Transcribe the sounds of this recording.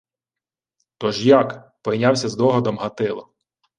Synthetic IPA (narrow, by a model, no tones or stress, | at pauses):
t̪ɔʒjɑk | pɔjnʲɑwsʲɐzd̪ɔɦɔd̪ɔmɦɐt̪ɪlˠɔ